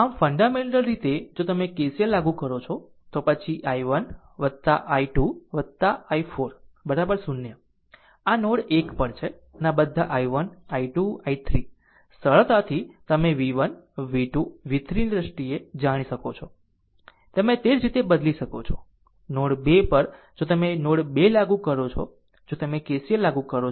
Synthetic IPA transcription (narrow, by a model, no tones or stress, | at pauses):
amfəɳɖameɳʈəlɾit̪ed͡ʒot̪əmekeselaɡũkəɾot͡ʃʰɔ | t̪opət͡ʃʰiʔajʋən | ʋət̪ːa̰ʔaiʈuʋət̪ːaaifʰoɾbəɾabəɾsunjə | anoɽekpəɳt͡ʃʰe | ənabəd̪ʱaʔajʋənaiʈuait̪ʰɾi | səɭt̪at̪ʰit̪əmeʋiʋənʋiʈuʋit̪ʰɾind̪ɾəsʈied͡ʒaɽ̃iʃəkot͡ʃʰo | t̪əmẽt̪eɾd͡ʒɾit̪ebəd̪liʃəkot͡ʃʰo | noɽbepəɾ | d͡ʒot̪əmenoɽbelaɡũkəɾot͡ʃʰɔ̰ | d͡ʒot̪əmekesielaɡukəɾo